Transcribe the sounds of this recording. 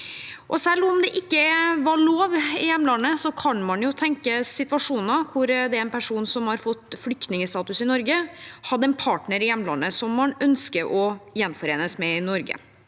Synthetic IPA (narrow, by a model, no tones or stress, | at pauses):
ʔɔsɛlːɔmd̪ɛʔɪkːəʋɑɭoːʋɪjɛmːəlɑnːəsɔkʰɑnmɑnjʊt̪ʰɛŋkəsɪt̪ʋɑʂuːnəkʰʊɾd̪ɛæɾɛnpʰæʂuːnsɔmhɑɾfɔt̪ːflʏk̚t̪nɪŋəst̪ɑːt̪ʉsɪnɔɾɡəhɑd̪ːəɛnpʰɑːʈɳəɾɪjɛməlɑ̰nːəsɔmːɑnœnskəɾʔɔjɛnfɔɾeːnəsmɛɪnɔɾɡə̰